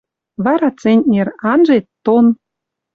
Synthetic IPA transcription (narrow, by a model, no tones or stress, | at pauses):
βɑɾɑt͡senʲt̪ʲnʲerɑnʒet̪ːon